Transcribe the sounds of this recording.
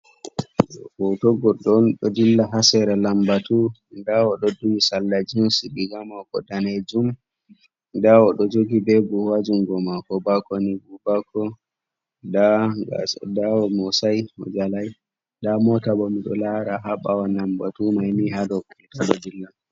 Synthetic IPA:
kɔtɔɡɔɗɔnɗɔdilːaɦasɛɾalambatundaɔɗɔduwisalːad͡ʒinsiɗiɡamaɔɡɔ̰ɗaned͡ʒum | daɔɗɔd͡ʒoɡibeɡuwad͡ʒuŋɡɔmakɔbakonibubakɔ | da | daɔmɔsajɔd͡ʒalaj | damɔtabɔmiɗɔ̰laɾaɦaɓawalambatumajmiɦadɔkutaɗɔ̰dilːa

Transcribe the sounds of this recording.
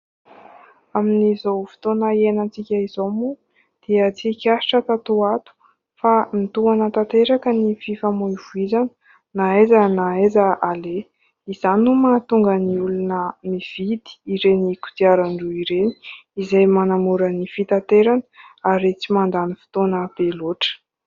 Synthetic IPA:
aminizowfi̥t̪onəienant͡sikʲəizomu | d̪̥iət͡sikʲaʃi̥ʈ͡ʂət̪at̪uat̪u̥ | famit̪uanət̪at̪eɾakənififamuivuizanə̥ | naezanaezaʔale | izanumat̪uŋɡəniulunəmiv̥id̪̥i̥iɾeniku̥t̪iaɾaɳɖ͡ʐuiɾeni̥izajmanamuɾənifit̪at̪eɾanə̥aɾet͡simand̪anifi̥t̪onəb̥eloʈ͡ʂə̥

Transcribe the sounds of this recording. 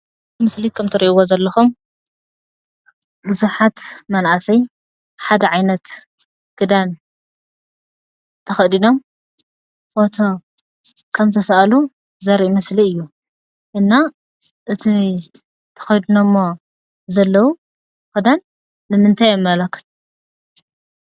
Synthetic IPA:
mɨslikʰɐmt̪ʰɐɾiʔiwozɐlːɐxum | bɨzuħat̪mɐnʕasɐj | ħad̪ɐʕajnɐt̪ | ɡ̥ɨd̪an | t̪ʰɐxɐd̪ino̞m | bot̪ʰo | kʰɐmt̪ʰɐsɐʔalu | zɐɾiʔmɐsliɨjːu | ʔɨnːa | ʔɨt̪ʰi | t̪ʰɐ̥xɐjd̪unɐmːo | zɐlːɐwu | kɨd̪anː | ɨmɨnt̪ʰajmːɐlɐkːɨ̥t̪

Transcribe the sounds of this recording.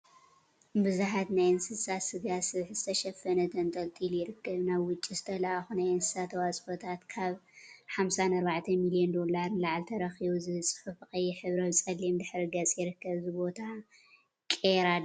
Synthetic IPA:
bɨzuħat̪najɨnsɨsat̪sɨɡasɨβħɨzɨt̪ʰɐʃɐfɐnɐt̪ʰɐnt̪ʰɐlt̪ʼiljɪɾɨkʰːɐβnaβwʊt͡ʃʼːizɨt̪ʰɐlʔaxunajɨnsɨ̥sat̪ʰɐwat͡sʼfot̪ʰat̪kʰaβħamsanɐɾbaʕt̪ʰɐmilijend̪o̞laɾnlaʕlt̪ʰɐɾɐxiβuzɨsʼɨ̥ħufxʼɐjːɛħɨβɾɐβt͡sʼɐlːimd̪ɨħɾɨɡɐt͡sʼjɪɾɨkːɐβzɨbo̞t̪ʰa | kʼeɾad

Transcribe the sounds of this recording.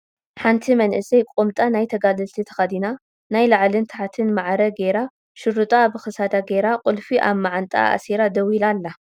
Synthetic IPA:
ħant̪ʰimɐnʔɨsɐjkʼomt̪ʼanajt̪ʰɐɡalɨlt̪ʰit̪ʰɐ̥xad̪ina | najlaʕlɨnt̪ʰħat̪ʰɨnmaʕɾɐɡeɾa | ʃɨɾɨt̪ʼabɨxɨsad̪aɡeɾaqʼʊlfiʔa̰βmaʕant̪ʼa̰a̰siɾad̪ɐwilalːa

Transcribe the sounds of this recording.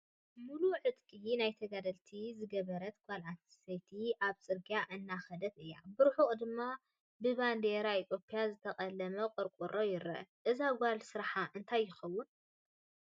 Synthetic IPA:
muluʕɨt̪kʼinajt̪ʰɐɡad̪ɐlt̪ʰizɨɡɐβɐɾɐt̪kʷʰʼalʕat̪sɐjt̪ʰiʔaβt͡sʼɨɾɡijaʔɨnːaxɐd̪ɐt̪ɨjːa̰bɨɾħuχʼd̪ɨmːa | bɨβand̪eɾait̪ʰjo̞pʰʼjazɨt̪ʰɐkʼɐlːɐmɐqʼɨɾkʼuɾojɪɾɐ̰ʔɨzaɡʷalsɨɾħaʔɨnt̪ʰajːɪxɐwːʊn

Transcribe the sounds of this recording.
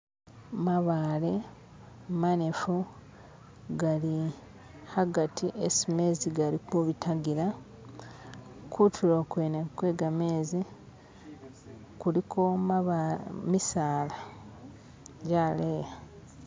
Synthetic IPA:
maβaːle̞ | manefu | ɡali | haɡatʰiʔesime̞ːziɡalikuβitaɡiɾa | kʰutʰuɾokweːnekwe̞ːɡameːzi | kulikʰo̞ | misaːla | ɟaːleːja

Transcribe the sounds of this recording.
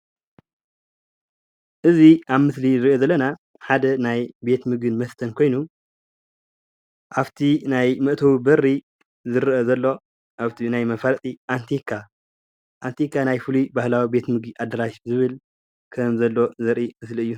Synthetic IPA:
ʔɨziʔaβmɨslizɨɾio̞zɐlːɐna | ħad̪ɐnajbe̞t̪mɨɡɨnmɐst̪ʰɐnkʰo̞jnu | ʔaβt̪ʰinajmɨʔt̪ʰɐwibɐɾːi | zɨɾʔɐzɐlːo̞ | ʔaβt̪ʰinajmɐfaɾt͡s̪ʼiʔant̪ʰikʰa | ʔant̪ʰikːanajfɨlubahlawibe̞t̪mɨɡiʔad̪ɐɾaʃzɨβɨl | kʰɐmzɐlːo̞zɐɾʔimɨsliɨjːu

